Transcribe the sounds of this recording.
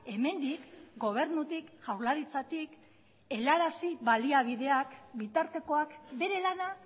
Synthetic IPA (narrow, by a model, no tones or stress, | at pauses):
e̞me̞nd̪ikɡo̞β̞e̞ɾnut̪ikʝawɾlaɾit͡sat̪ik | e̞laɾasiβaliaβ̞iðe̞akbit̪aɾt̪e̞ko̞akbe̞ɾe̞lana